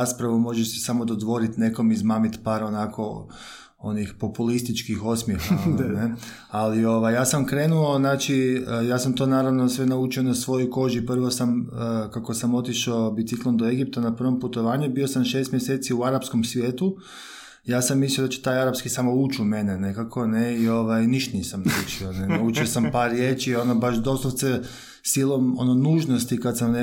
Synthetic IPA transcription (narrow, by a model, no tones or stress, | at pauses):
aspɾaʋumo̞ʒeʃsi̥samo̞d̪od̪ʋo̞ɾit̪ne̞ko̞mizmaːmit̪paːɾonakʰo̞̰ | o̞̰nixpo̞pulist̪it͡ʃkixo̞smjexane | alio̞ʋajjaːsamkɾe̞ːnuoznaːt͡ʃiəjaːsamt̪o̞ːnaːɾaʋno̞sʋe̞naut͡ʃio̞nasʋo̞jojko̞ʒipr̩ʋo̞samkako̞samo̞t̪iʃobit̪siklˠond̪oe̞ɡip̚t̪anapr̩ʋo̞mput̪o̞ʋaːɲubio̞samʃe̞ːst̪mjeseːt̪siuaɾapsko̞msʋjeːt̪u | jaːsamːislijod̪at͡ʃe̥t̪aːjaɾapskisamout͡ʃume̞nene̞kakʰo̞neio̞ʋajniʃt̪nisamnaut͡ʃionenaut͡ʃiosampaːɾːjeːt͡ʃio̞nobaʃd̪o̞st̪ot̪se | silˠo̞mo̰nonuːʒnost̪ikad̪samne